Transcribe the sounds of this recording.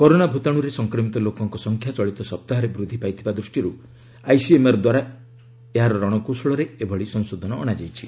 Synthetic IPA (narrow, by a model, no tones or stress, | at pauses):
kɔɾonabʱut̪aɽ̃uɾesɔŋkɾɔmit̪ɔlokɔŋkɔsɔŋkʰjat͡ʃɔɭit̪ɔsɔp̚t̪aɦɔɾebɾud̪ʱːipajt̪ʰibad̪ɾusʈiɾu | ajsiemaɾɔd̪waɾa | eɦaɾɔɾɔɽ̃ɔkusɭɔɾeebʱɔɭisɔŋsod̪ʱɔnɔ̰ːɽ̃ad͡ʒajt͡ʃʰi